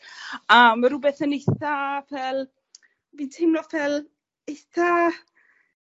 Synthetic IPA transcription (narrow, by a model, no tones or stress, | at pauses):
əːmːaɾʊbɛθənejθavɛlˠ | vintʰejmnɔfɛlˠ | ejθa